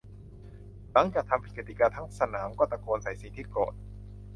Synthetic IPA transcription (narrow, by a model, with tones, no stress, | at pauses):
la˩˦ŋt͡ɕaː˨˩k̚t̪ʰa˧mpʰi˨˩kːeː˨˩t̪iː˨˩kaː˧t̪ʰaː˦˥ŋsa˧naː˩˦mkɔː˥˩t̪a˧˩koː˧nsa˩˦jsi˨˩˦t̪ʰiː˥˩kɔ̰ː˨˩t̪̚